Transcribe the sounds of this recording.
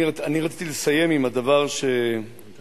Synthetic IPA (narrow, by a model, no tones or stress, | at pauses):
ianiʁat͡sit̪ilesaje̞mimadavaʁʃe̞